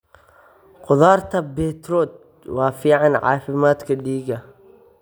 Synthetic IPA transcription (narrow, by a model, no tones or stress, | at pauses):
qʊðaːrt̪ʰɐbɛːt̪rɔːd̪̚ | wɑːfiːʕɑnʕɑ̰ːfɪmaːd̪kʰɐɖiːɡɐ